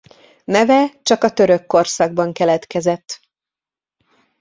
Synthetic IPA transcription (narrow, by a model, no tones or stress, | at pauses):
nɛvɛt͡ʃɒkɒt̪ø̞ɾø̞kːo̞rsɒɡ̚bɒŋkɛlɛt̪kɛzɛt̪ː